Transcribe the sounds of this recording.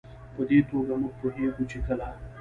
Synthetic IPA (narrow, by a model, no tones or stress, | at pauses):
pəd̪et̪oɡamʊɡ̚puɦeɡut͡ʃekəla